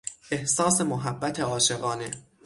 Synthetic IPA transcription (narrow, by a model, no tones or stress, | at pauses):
ʔehsɒːse̞moɦæbːæt̪ʰe̞ɒːʃeɣɒːne